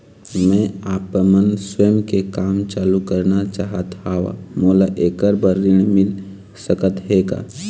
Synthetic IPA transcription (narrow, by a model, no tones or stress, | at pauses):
mɛ̃aːpmənsweːmkekaːmt͡ʃaːlukəɾnat͡ʃaːɦət̪ɦaːʋa̰moːlaʔeːkəɾbəɾiɽ̃mɪl | səkət̪ɦeːɡa̰ː